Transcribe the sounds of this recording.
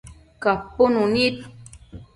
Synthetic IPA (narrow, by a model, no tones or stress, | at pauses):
kapːʊnunit̪